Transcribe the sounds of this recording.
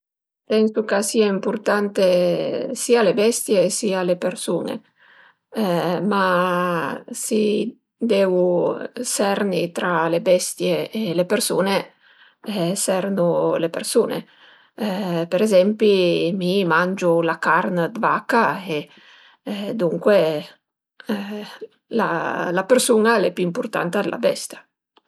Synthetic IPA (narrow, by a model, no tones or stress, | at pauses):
pɛnsukasiːaimpurt̪ant̪esiːalebɛst̪jesiːalepeɾsuːnḛ | ma | si | d̪ɛvusɛrnit̪ɾalebɛst̪jeːlepeɾsuːne | sɛrnulepḛrsuːnḛ | peɾezɛmpimimand͡ʒulakarnd̪vakːae | d̪uŋkwe | la̰lapersuːnalɛpuimpurt̪a̰nt̪ad̪elʔa̰bɛ̰st̪ja